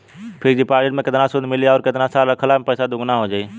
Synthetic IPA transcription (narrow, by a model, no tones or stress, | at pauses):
pʰɪɾd͡ʒipaːɾd͡ʒeʈmẽkɪt̪nasʊd̪ʱmɪliɔːɾkɪt̪nasaɾɾəkʰəlapəɪsad̪ʊɡnaɦod͡ʒaːi